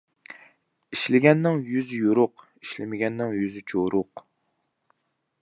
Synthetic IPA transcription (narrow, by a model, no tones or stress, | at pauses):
iʃlɪɡʲɛnːɪŋjyzjuɾʊq | iʃlɪmɪɡʲɛnːɪŋjyzɪt͡ʃʰoɾʊq